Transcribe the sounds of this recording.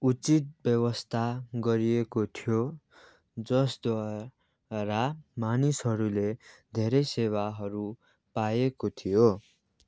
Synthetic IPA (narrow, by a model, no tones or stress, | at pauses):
ut͡sit̪̚bjʌwʌst̪ʰaɡʌɾiekot̪ʰijo | d͡zʌsd̪wa | ɾamanisɦʌɾuled̪ʱeɾʌjsewaɦʌɾu | pajekot̪ʰijo